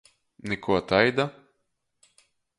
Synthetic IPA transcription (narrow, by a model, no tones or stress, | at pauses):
nikuɔt̪ajd̪a